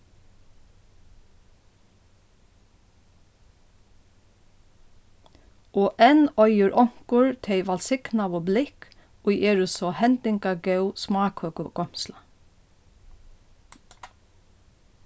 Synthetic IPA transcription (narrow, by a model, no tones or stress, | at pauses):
ʔoːʔɛnœʏəɹʔɔŋ̥kʊɹt̪ʰɛɪʋɑlsɪɡ̥nɑʋoblɪk | oːʔeːɹʊsɔhɛnd̪ɪŋkɑɡœʉsmɑːkhøːkʊɡ̥ɔmslɑ